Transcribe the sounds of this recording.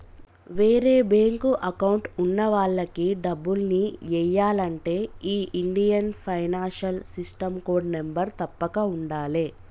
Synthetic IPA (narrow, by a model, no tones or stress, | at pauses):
ʋeːɾe̞ːbeːŋkuʔɐkɐwuɳʈunːɐʋaːɭːɐkiɖɐbːulniʋɛjːaːlɐɳʈe̞ːiːʔiɳɖijɐnpʰɐjnaːnʃɐlsisʈɐmko̞ːɖnembɐɾt̪ɐpːɐkɐuɳɖaːleː